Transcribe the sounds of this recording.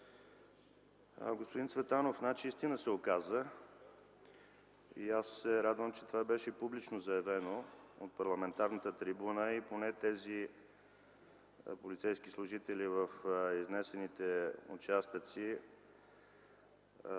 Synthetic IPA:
ɡospʊd̪insvɛt̪anofnat͡ʃiist̪inəsɛokazə | ḭasːɛɾad̪vəmt͡ʃɛ̥t̪ovabɛʃɛpublit͡ʃnozɐɛvɛnoot̪̚pɐɾlˠɐmɛnt̪aɾnət̪ət̪ɾibunəiponɛt̪ɛzi | polit̪sɛjskislˠʊʒit̪ɛlivəfiznɛsɛnit̪ɛʊ̰t͡ʃast̪ət̪si

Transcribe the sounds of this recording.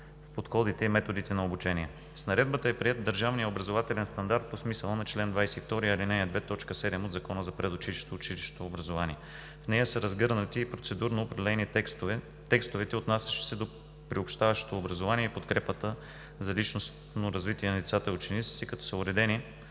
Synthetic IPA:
fpot̪xɔd̪it̪ɛimɛt̪od̪it̪ɛnɐobut͡ʃɛniɛ | snɐɾɛd̪̚bət̪əɛpɾiɛt̪̚d̪əɾʒavnijəobɾɐzovat̪ɛlɛnst̪ɐnd̪aɾt̪̚posmisəlˠənɐt͡ʃlɛnd̪vajsɛift̪ɔɾiɐlinɛd̪vɛt̪ɔt͡ʃkəsɛd̪ɛmod̪zɐkɔnəzɐpɾɛd̪ʊt͡ʃiliʃo̥t̪oːt͡ʃiliʃt̪oːbɾɐzovaniɛ | fnɛjəsəɾɐzɡɤɾnət̪iːpɾot̪sɛd̪uɾnoːpɾɐd̪ɛlɛnist̪v | t̪ɛkst̪ʊvɛt̪ɛot̪nasʲə̥ʃi̥sɛd̪o | pɾiopʃt̪avɐʃo̥t̪oːbɾɐzovaniɛipot̪kɾɛpət̪ə | zɐlit͡ʃnos | noɾɐzvit̪iɛnɐlit̪sat̪əʊt͡ʃɛnit̪si̥t̪ɛkɐt̪ɔ̥səʊɾɛd̪ɛni

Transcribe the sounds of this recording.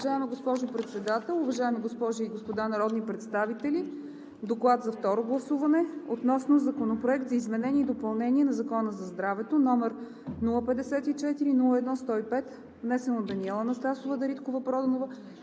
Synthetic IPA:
ʒaɛmɛɡospɔʒʊpɾɛt̪sɛd̪at̪ɛlˠuvɐʒaɛmiɡospɔʒiiɡospod̪anɐɾɔd̪nipɾɛt̪st̪avit̪ɛli | d̪oklˠat̪zɐft̪ɔɾoɡlˠɐsuvɐnɛot̪nɔsnozɐkonopɾoɛkt̪zɐizmɛnɛnʲiɛid̪opɐlˠnɛnʲiɛnɐzɐkɔnəzɐzd̪ɾavɛt̪onɔmɛɾ | nulˠəpɛd̪ɛsɛt̪it͡ʃɛt̪iɾinulˠəɛd̪nɔst̪ɔipɛt̪ | vnɛsɛnod̪ːɐniɛlˠənɐst̪asovəd̪ɐɾit̪kovəpɾɔd̪ənovə

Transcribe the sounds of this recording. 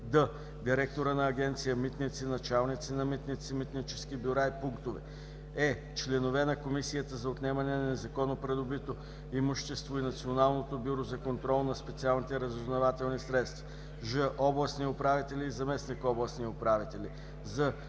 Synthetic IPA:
d̪ə | d̪iɾɛk̚t̪oɾənɐːɡ̟ɛnt̪sijəmit̪nit̪sinɐt͡ʃalˠnit̪sinɐmit̪nit̪simit̪nit͡ʃɛ̥skibjʊɾaipuŋkt̪ovɛ̰ | ɛ | t͡ʃlɛnovɛnɐkomisijət̪əzɐot̪nɛmɐnɛnɐnɛzɐkɔnopɾɛd̪obit̪o | imʊʃt̪ɛst̪voinɐt̪sionalˠnot̪obʲuɾozɐkont̪ɾɔlˠnɐspɛt̪sialˠnit̪ɛɾəzʊznɐvat̪ɛlˠnisɾɛt̪st̪vɐ | ʒəʔɔblˠɐsniʊpɾavit̪ɛlʲiːzɐmɛsnikɔblˠəsniʊpɾavit̪ɛlʲi | zɐ

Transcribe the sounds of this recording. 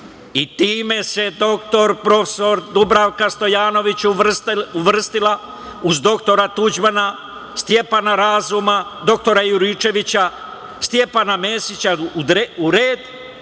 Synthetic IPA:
it̪iːme̞se̞d̪o̞k̚t̪o̞ɾpɾo̞feso̞ɾd̪ubɾawkast̪o̞jaːno̞ʋit͡ɕ | uʋr̩st̪ila | uzd̪o̞kt̪o̞ɾat̪ud͡ʒbana | st̪je̞panaɾazumad̪o̞k̚t̪o̞ɾajuɾit͡ʃe̞ʋit͡ɕa | st̪je̞panameːsit͡ɕad̪ɾeuɾeːd̪

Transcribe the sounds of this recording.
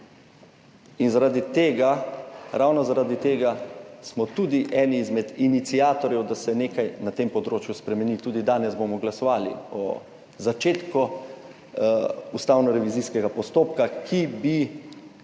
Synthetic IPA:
inzaɾaːd̪it̪eːɡaɾawnɔzaɾaːd̪it̪eːɡasmɔt̪uːd̪iʔɛːniːzmɛd̪init̪siaːt̪ɔɾjɛwd̪asɛneːkajnat̪empɔd̪ɾoːt͡ʃjuspɾɛmɛnit̪uːd̪id̪aːnɛzbomɔɡlasɔʋaːlḭɔ̰ | zat͡ʃeːt̪kɔ | ust̪awnɔɾɛʋiziskɛɡapɔst̪oːp̚kakʰibi

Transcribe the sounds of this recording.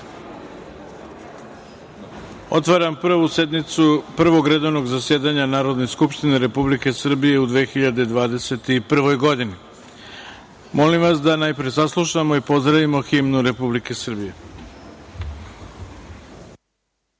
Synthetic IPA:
o̞̰t̪ʋaɾampr̩ʋuse̞d̪nit̪supr̩ʋo̞ɡɾe̞d̪o̞ʋno̞ɡzasje̞ːd̪aɲanaːɾo̞d̪neskupʃt̪ine̞ɾe̞publike̞sr̩bije̞ud̪ʋeːxiʎad̪ed̪ʋaːd̪e̞se̞t̪ipr̩ʋo̞jɡo̞d̪ini | mo̞limʋas̬d̪anaːjpɾijesaslˠuʃamo̞ipo̞zd̪ɾaʋimo̞ximnuɾe̞publike̞sr̩bije̞

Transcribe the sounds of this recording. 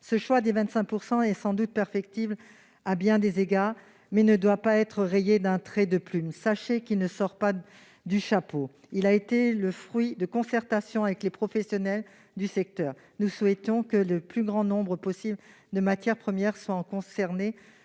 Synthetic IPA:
səʃwad̪evɛ̃t̪sɛ̃k̚puʁsɑ̃ɛsɑ̃d̪ut̪̚pɛʁfɛk̚t̪ibl | abjɛ̃d̪ezeɡaːʁ | mɛnəd̪wapaɛt̪χəʁejed̪ɛ̃t̪χɛd̪əplymsaʃekilnəsɔʁpa | d̪yʃapo | ilaet̪eləfχɥid̪əkɔ̃sɛʁt̪asjɔ̃avɛklepχɔfɛsjɔnɛl | d̪ysɛk̚t̪œːʁ | nuswɛt̪ɔ̃kələplyɡʁɑ̃nɔ̃bʁəpɔsibl | d̪əmat̪jɛʁpχəmjɛʁswãkɔ̃sɛʁne

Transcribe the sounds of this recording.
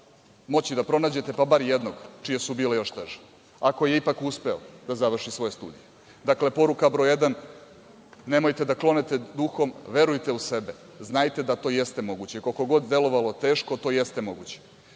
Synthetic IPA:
mo̞t͡ɕid̪apɾo̞naːd͡ʑe̞t̪e̞pabaɾjed̪no̞ɡt͡ʃijesubiːlejo̞ʃt̪eʒe̥ | ako̞jeipakuspe̞o̰d̪azaʋr̩ʃisʋo̞je̞st̪ṵːd̪ḭje | d̪akle̞po̞ɾukabɾo̞jed̪an | ne̞mo̞jt̪e̞d̪aklˠo̞net̪ed̪uxo̞mʋe̞ɾujt̪e̞use̞be | znajt̪e̞d̪at̪o̞ːjest̪e̞mo̞ɡut͡ɕekoko̞ɡo̞d̪d̪elo̞ʋalo̞t̪e̞ːʃko̞t̪o̞ːjest̪e̞mo̞ɡut͡ɕe̥

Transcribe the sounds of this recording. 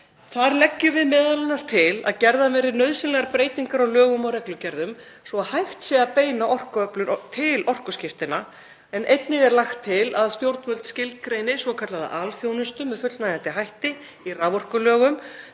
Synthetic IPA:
θaɾlɛcːʏvɪðmɛːðalɛnast̪ʰɪla̰ðcɛɾðamɛːɾɪɾnœɥðsɪnlɛɣaɾpɾeːjt̪iŋkaɾawlœːɣʏmawɾɛklʏcɛɾðʏmsɔaðhajxt̪sɛɣapeːjnaʔɔr̥kœplʏɾt̪ʰɪlɔr̥kʏscɪft̪ɪna | ɛnʔejt̪nɪɣɛɾlaxt̪ʰːɪlaðst̪jowɾt̪vœlt̪scɪlt̪̚kɾejnɪsvɔkʰat̪laða̰ʔalfjownʏst̪ʏmːɛðfʏt̪najɣant̪ɪɦajht̪ɪ | iraːvɔr̥kʏlœːɣʏm

